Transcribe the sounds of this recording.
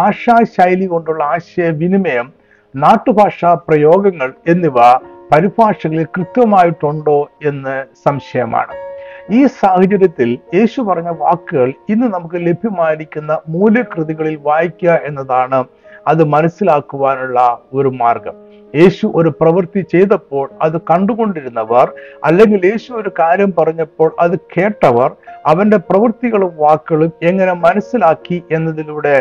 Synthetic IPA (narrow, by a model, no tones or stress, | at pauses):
bʱaːʂaːɕajliɣo̞ɳɖuɭːɐaːɕɐjɐʋinimɐjɐm | naːʈːɨbʱaːʂaːprɐjo̞ːɡɐŋːɐɭe̞nːiʋɐpɐɾibʱaːʂɐɣɐɭilkrɨt̪jɐmaːjiʈːuɳɖo̞ːe̞nːɨsɐmɕɐjɐma̰ːɳɨiːsaːhɐd͡ʑɐɾjɐt̪ːilje̞ːɕupɐrɐɲːɐʋaːkːɨɣɐɭinːɨnɐmukːɨle̞bʱjimaːjiɾikʲːunːɐmuːlɨkrɨðiɣɐɭilʋaːjikʲːuɐʔe̞nːɐðaːɳɨ | ɐðɨmɐnɐsːilaːkːuʋaːnuɭːɐo̞ɾumaːrɡɐm | je̞ːɕuʔo̞ɾuprɐʋɐrt̪it͡ɕe̞jt̪ɐpːo̞ːɭɐðɨkɐɳɖuɣo̞ɳɖiɾunːɐʋɐrɐ̰lːe̞ŋɡilje̞ːɕuo̞ɾukaːɾjɐmpɐrɐɲːɐpːo̞ːɭʔɐðɨke̞ːʈːɐʋɐrɐʋɐnde̞prɐʋɐrt̪iɣɐɭumʋaːkːɨɣɐɭume̞ŋːɐne̞mɐnɐsːilaːkːiʔe̞nːɐðiluɽe̞